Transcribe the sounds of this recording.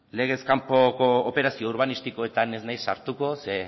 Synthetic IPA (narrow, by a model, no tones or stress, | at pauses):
le̞ɣ̞e̞skampo̞koːpe̞ɾasio̞uɾβ̞anist̪iko̞e̞t̪ane̞znajsːa̰ɾt̪uko̞se̞